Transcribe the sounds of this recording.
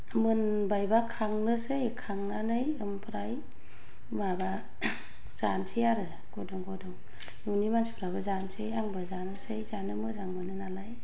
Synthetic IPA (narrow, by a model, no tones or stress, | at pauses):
mɯn | bajbakʰaŋnɯsɯjkʰaŋnanɯjɯmpʰɾaj | maba | z̥ansʰɯjaɾɯ | ɡ̥odɔŋɡɔdɔŋ | nunimanspʰɾabazansʰɯjaŋbɯzanɯsɯjzanɯmɯzaŋbɯnɯnalaj